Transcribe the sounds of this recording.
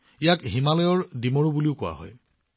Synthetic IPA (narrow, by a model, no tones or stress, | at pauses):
ijakɦimalɔjɔɹdimɔɹubuliʊkʊwa̰ɦɔ̰j